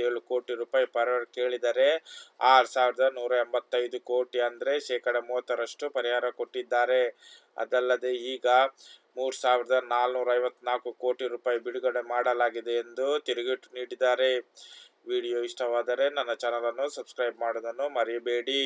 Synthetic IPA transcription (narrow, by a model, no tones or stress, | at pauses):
eːɭuko̞ːʈiɾuːpaːjipɐɾɐɾke̞ːɭid̪ɐɾe̞aːɾusaːʋiɾɐd̪ɐnuːɾɐembɐt̪ːɐjd̪uko̞ːʈiɐnd̪ɐɾe̞ʃɛːkɐɽɐmuːʋɐt̪ːɐɾɐʂʈupɐɾiɦaːɾɐko̞ʈːid̪ːaːɾe̞ | ɐ̰d̪ɐlːɐd̪e̞iːɡɐmuːɾusaːʋiɾɐd̪ɐnaːlnuːɾɐɐjʋɐt̪ːnaːlkuko̞ːʈiɾuːpaːjibiɽuɡɐɽemaːɽɐlaːɡid̪e̞ːnd̪ut̪iɾuɡiʈːniːɽid̪aːɾe̞ | ʋiːɽijoːiʂʈʰɐʋaːd̪ɐɾe̞nɐnːɐt͡ʃanɐlɐnːusɐbskɾɐjbmaːɽod̪ɐnːumɐɾibe̞ːɽi